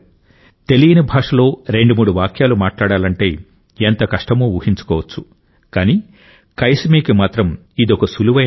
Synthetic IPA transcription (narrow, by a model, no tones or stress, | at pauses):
t̪elijinɐbʱaːʂɐlo̞ːɾe̞ɳɖumuːɽuʋaːkʰjaːlumaːʈlaːɽaːlɐɳʈe̞ː | ent̪ɐkɐʂʈɐmuːuːhiɲt͡ʃu̥kɔːʋɐt͡ʃːu̥ | kaːniː | kɐjsmiːkimaːt̪ɾɐm | id̪iɔkɐsuluʋɐ